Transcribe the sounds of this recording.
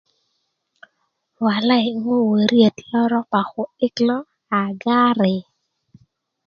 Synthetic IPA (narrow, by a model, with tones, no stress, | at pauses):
wa˨la˦jŋo˦we˨ɾje˨tlɔ˦ɾɔ˦pa˨xʊ˨ɪ˦klɔ˦ | a˨ɡa˦ɾɪ˨